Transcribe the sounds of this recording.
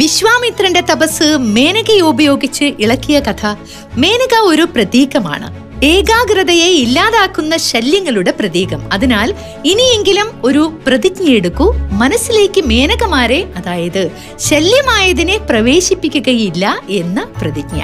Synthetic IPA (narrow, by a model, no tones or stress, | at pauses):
ʋiɕʋaːmit̪rɐnde̞t̪ɐbɐsːɨme̞ːnɐɣɐjubɐjo̞ːɡit͡ɕːɨʔiɭɐkːijɐkɐt̪ʰɐ | me̞ːnɐɣɐo̞ɾuprɐt̪iːɣɐma̰ːɳɨ̰ | eːɡaːɡrɐðɐjeilːaːðaːkːunːɐɕɐljɐŋːɐɭuɽe̞prɐðiːɣɐmɐðinaːl | inije̞ŋɡilumo̞ɾuprɐðikɲnɐjeɽukːumɐnɐsːile̞ːkːɨme̞ːnɐɣɐmaːɾe̞ɐðaːjɐðɨ | ɕɐljɐmaːjɐðine̞prɐʋe̞ːɕipːikʲːuɣɐjilːɐe̞nːɐprɐðikɲɐ̰